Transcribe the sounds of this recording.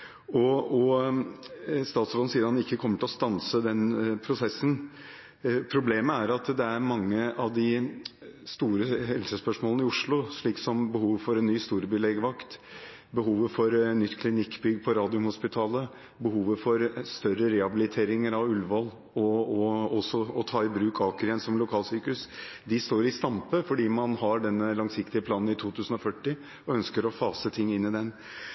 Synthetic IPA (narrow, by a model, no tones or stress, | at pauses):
ɔɔ | st̪ɑːt̪sɾɔn̩siːəɾɑnɪkːəkʰɔmːəʈʰɪlɔst̪ɑnsəd̪ɛnpʰɾʊsɛsːən | pʰɾʊbleːməæɾɑt̪d̪ɛæɾmɑŋːəʔɑʋd̪ɪ | st̪uːɾəhɛlsəspœʂmoːlnɪʊʂɭʊʂɭiːksɔmbəhuːʋəfɔɾɛnːyːst̪uːɾəbyːlɛɡʋɑkt̪ | bəɦuːʋəfɔɾnʏt̪ːkʰlɪnɪkːbʏɡːpʰɔɾɑːd̪ɪʊmhʊspɪt̪ʰɑːlə | bəhuːʋəfɔɾst̪œɾəɾɛhɑbɪlɪt̪ʰeːɾɪŋəɾɑʋʉlʋɑl | ɔɔɔsɔɔt̪ʰɑːɪbɾʉːkʰɑːkəɾɪɛnsɔmlʊkʰɑːlsyːkʉsd̪ɪst̪oːɾɪst̪ɑmpəfɔɖiːmɑnɦɑɖɛnːəlɑŋsɪkt̪ɪəpʰlɑːnn̩ɪt̪ʰuːt̪ʰʉːsn̩ɔfœʈːɪ | ɔœnskəɾɔfɑːsət̪ʰɪŋːɪnːɪd̪ɛn